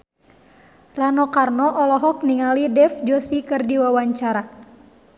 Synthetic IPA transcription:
ranɔkarnɔʔɔlɔɦɔk̚niŋalidɛfd͡ʒɔsikɨrdiwawaɲt͡ʃaɾa

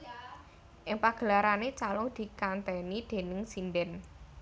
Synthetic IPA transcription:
ʔɪŋpaɡ̥ə̤laɾanet͡ʃalʊd̪̥i̤kant̪ɛnid̪̥e̤nɪŋsindɛn

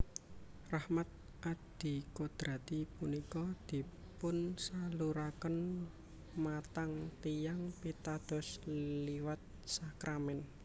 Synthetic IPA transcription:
rahmat̪̚ | ʔad̪̥i̤kod̪̥ɾa̤t̪ipunikɔd̪̥i̤ | pʊnsaluɾakən | mat̪aŋt̪ijaŋpit̪ad̪̥ɔ̤sliwat̪̚sakɾʔamɛn

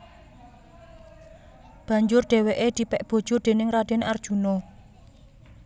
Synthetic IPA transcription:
b̥a̤ɲd͡ʒʊrɖ̪̥e̤weʔed̪̥i̤pɛʔb̥o̤d̥ʒ̥o̤d̥̪e̤nɪŋrad̪̥ɛ̤nard̥ʒ̥ṳnɔ

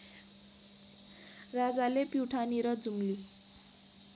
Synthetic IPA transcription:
rad͡zalepiwʈʰaniɾʌd͡zumli

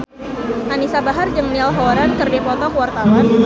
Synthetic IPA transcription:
ʔanisabaɦard͡ʒəŋnilɦɔɾankərdepɔt̪ɔkəwart̪awan

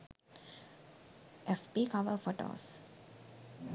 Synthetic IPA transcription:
ʔɛfpiːkaʋəɾfoʈo̰ːs

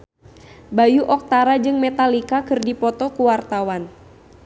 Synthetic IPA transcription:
bajuʔɔk̚t̪aɾad͡ʒɨŋmɛt̪alikakɨrdipɔt̪ɔkuwart̪awan

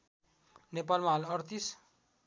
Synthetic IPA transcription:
nepalmaɦʌlʌrt̪is

